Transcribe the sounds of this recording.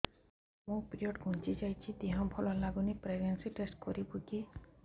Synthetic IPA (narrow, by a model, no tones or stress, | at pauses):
mũpɾiɔʈɡʱũnt͡ʃid͡ʒajt͡ʃʰid̪iɦɔ̃mpʰɔlɔlaɡunipɾeɡnensiʈesʈ̚kɔɾibuki